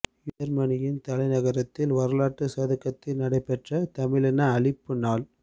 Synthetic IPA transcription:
ɪjɐɾmɐɳɪjɪnt̪ɐlɐɪnɐɣɐɾɐt̪ːɪlʋɐɾɯlaːʈːɯsaːðɐkːɐt̪ːɪlnɐɽɐɪpːɛʈrɐt̪ɐmɪlɛnɐːɭɪpːɯnaːl

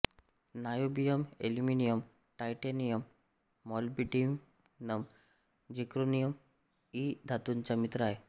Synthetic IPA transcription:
najobijəmḛluminijəm | ʈajʈenijəmː | ɔlbiʈim | nəm | d͡ʑikɾunijəm | id̪ʱat̪unt͡ɕamit̪ɾaj

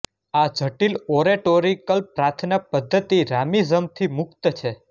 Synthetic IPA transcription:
ad͡ʒʱəʈiloɾeʈoɾikəlpɾat̪ʰnəpəd̪ʱːət̪iɾamizəmt̪ʰimʊkt̪t͡ʃʰe

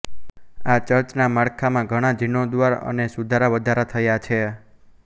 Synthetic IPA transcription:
at͡ʃəɾt͡ʃnamaɽkʰamãɡʱəɽ̃ad͡ʒʱinod̪ʋaɾə̰nesud̪ʱaɾaʋəd̪ʱaɾat̪ʰəjat͡ʃʰe

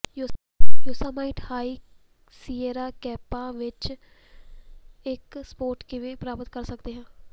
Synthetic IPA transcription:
j | jʊːsaːmaːiːʈhaːiː | siːeːɾaːkɛːpaːʋɪt͡ʃ | ɪkspoːɾʈkeːʋeːpɾaːpət̪kəɾsəkd̪eːɦɛ̃ː

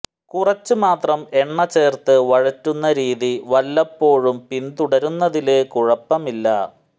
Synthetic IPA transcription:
kurɐt͡ɕːɨmaːt̪rɐme̞ɳːɐt͡ɕe̞ːrt̪ɨʋɐɻɐtːunːɐɾiːðiʋɐlːɐpːo̞ːɻumpint̪uɽɐɾunːɐðilekuɻɐpːɐmilːɐ̰

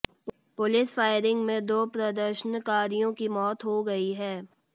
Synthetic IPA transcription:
pʊlɪsfaːɪɾɪ̃ŋɡmẽd̪oːpɾɐd̪əɾʃənkaːɾijõkimɔːt̪ɦoɡɐiɦɛː

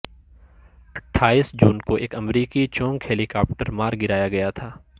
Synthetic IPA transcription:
ɐʈʰːaːiːsd͡ʒuːnkoʔeːkɐmɾiːkit͡ʃɔ̃ːŋɡhɛːlikaːpʈəɾmaːɾɡɪɾaːjaɡɐjat̪ʰaː

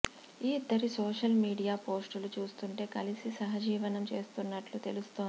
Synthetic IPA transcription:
iːd̪ːɐɾisoːʂɐlmiːɖijaːpo̞ːsʈulut͡ʃuːst̪uɳʈe̞ːkɐlisisɐɦɐd͡ʒiːʋɐnɐmt͡ʃe̞ːst̪unːɐʈlut̪e̞lust̪oːnd̪i

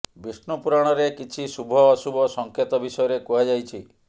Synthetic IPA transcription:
bisnupuɾaɽ̃ɔɾekit͡ʃʰisubʱɔːsubʱɔsɔŋket̪ɔbisɔjɔɾekuɦad͡ʒajt͡ʃʰi

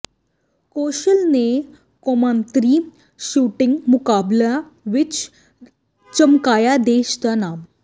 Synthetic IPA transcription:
koɕəlne | komãnt̪ɾiː | ɕuːʈɪ̃ŋɡmukabla | ʋɪt͡ɕ | t͡ɕəmkajad̪eɕt̪anaːm

